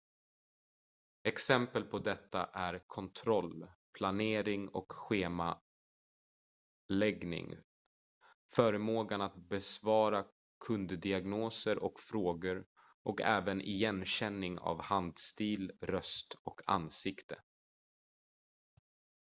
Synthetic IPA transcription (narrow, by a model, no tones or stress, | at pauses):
ɛksɛmpəlpʰɔd̪ɛt̪ːa̰ʔæɾkʰɔnt̪ʰɾɔlpʰlaneːɾɪŋɔ̰kɧeːma | lɛɡnɪ̰ŋ | fœːɾəmoːɡanat̪̚bɛsvɑːɾa | kʰɵnd̪d̪ɪaɡnoːsəɾʔɔkfɾoːɡəɾ | ʔɔkɛːvənʔɪjɛnɕɛnːɪŋa̰vhand̪st̪iːlɾœst̪ɔkʰa̰nsɪkt̪ə